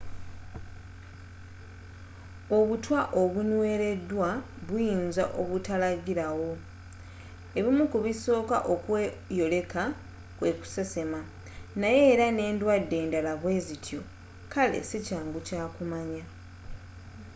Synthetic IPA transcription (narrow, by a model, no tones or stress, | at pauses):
o̞βutwaʔo̞βunwe̞ːɾe̞dːwa | βwujiːnza̰ʔo̞βutalaɡiɾawo̞ | e̞βimukuβiso̞ːka̰ʔo̞kwejo̞le̞ka | kwe̞ku̥se̞se̞ma | naje̞ːɾane̞ːndwadːe̞ːndalaβwe̞ːzitʰjo̞ | kale̞̰sicaːŋɡucaːkumaɲa